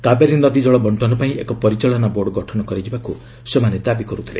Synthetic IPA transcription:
kabeɾienɔd̪id͡ʒɔɭɔbʱɔɳʈʰɔnɔpaĩʔekɔpɔɾit͡ʃaɭɔnaboɾɖɡɔʈʰɔnɔkɔɾid͡ʒibaku | semaned̪abikɔɾut̪ʰilḛ

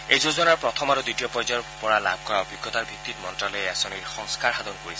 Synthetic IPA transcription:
ejzozɔnaɹpɹɔt̪ʰɔmaɹuditiɔpɔjzɔɹpɔɹala̰b̚ʱkɔɹaɔbʱiɡːɔt̪aɹbʱik̚t̪ːitmɔntɹalɔjɛasɔniɹxɔŋskaɹɦad̪ɔnkoɹisɛ

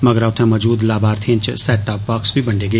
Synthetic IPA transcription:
mɐɡɾaːʊt̪ʰɛ̃mɐːd͡ʒuːd̪laːbaːɾt̪ʰĩːnt͡ʃsɛːʈːaːpbaːksbʱibɐɳɖeːɡeː

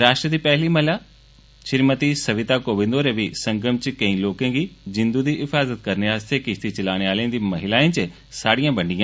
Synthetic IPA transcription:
ɾaːʃʈɾət̪ipɛɦlimɐɦɪla | ʃɪɾmət̪isɐʋɪt̪akoːbɪ̃nd̪oːɾeʋisɐ̃ŋɡəmt͡ʃɪkɐ̃ĩloːkẽːɡizɪ̃nd̪ud̪iɪfaːzət̪̚kɐɾniɦaːst̪ʰekɪʃt̪ʰit͡ɕɐlaːɽ̃eaːlẽːnd̪imɐɦɪlaːĩt͡ɕe | saːɽijãːbɐ̃ɳɖijãː

